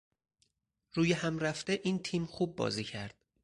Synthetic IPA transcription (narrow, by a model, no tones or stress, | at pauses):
ɾuːjehæmɾæft̪eʔiːnt̪ʰiːmxuːb̚ːɒ̰ːziːcʰæɾd̪̥